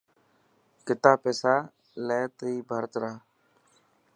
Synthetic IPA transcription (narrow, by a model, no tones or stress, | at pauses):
kɪt̪aːpeːsaː | leːt̪əiːbʱəːɾt̪ɾaː